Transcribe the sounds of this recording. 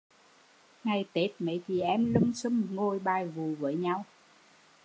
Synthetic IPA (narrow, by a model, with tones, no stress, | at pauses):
ŋa˨˩jt̪e˨˦˥t̚mḛ˧˨˦t͡ɕi˨˩ʔɛ˧˥mlɨ˧ŋ͡msɨ˧˦ŋŋo˧˩jɓaː˧˩jvu˨˩vəː˨˦jɲa˧w